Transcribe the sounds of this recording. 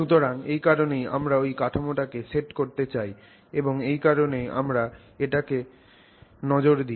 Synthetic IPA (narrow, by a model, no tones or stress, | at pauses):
ʃut̪oɾaŋejkaɾoneja̰mɾaojkaʈʰamoʈakeseʈkoɾt̪et͡ɕaj | eboŋejkaɾoneja̰mɾa | eʈake | nɔd͡ʑoɾd̪i